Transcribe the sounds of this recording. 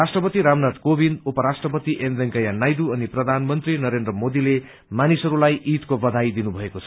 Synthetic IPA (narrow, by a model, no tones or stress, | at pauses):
rasʈrʌpʌt̪iɾamnat̪kobind̪upʌɾasʈrʌpʌt̪iʔemd̪eŋkʌjanajd̪uʌniprʌd̪ʱanmʌnt̪rinʌɾend̪rʌmod̪ile | manisʌɾulajʔit̪kobʌd̪ʱajd̪inubʱʌekot͡sʰʌ